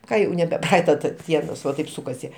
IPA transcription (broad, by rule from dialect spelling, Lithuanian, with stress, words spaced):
ˈkɐ jɛʊ nʲɛbʲɛ ˈprɐɐɪtɐ ˈdʲiɛnoːs ʋɐ ˈtɐɪp sʊkɐˈsʲɪ